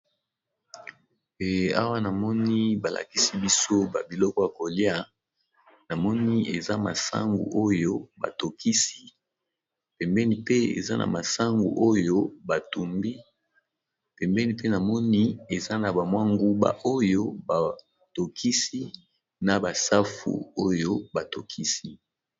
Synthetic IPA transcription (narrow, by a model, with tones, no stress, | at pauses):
a̰˦wa˦na˨mɔ˦ni˦ba˨lʔa̰˨ki˦si˦bi˦so˦ba̰˨bi˨lɔ˦kɔ˦ja˨ko˨li˦a˦ | na˨mɔ˦ni˦e˨za˦ma̰˨sa̰˦ŋɡṵ˨ʔo˦jo˦ba̰˨to˨kʰi˦si̥˦ | pɛ˨mbɛ˦ni˦pe˦ḛ˨za˦nʔa̰˨ma˨sa˦ŋɡṵ˨ʔo˦jo˦ba˨tu˨mbi˦ | pɛ˨mbɛ˦ni˦pe˦na˨mɔ˦ni˦e˨za˦na˨ba˨mwa˦ŋɡu˦ba̰˨ʔo˦jo˦ba˨ | to˨kʰi˦si˦ | na˨ba˨sa˦fṵ˨o˦jo˦ba˨to˨kʰi˦si˦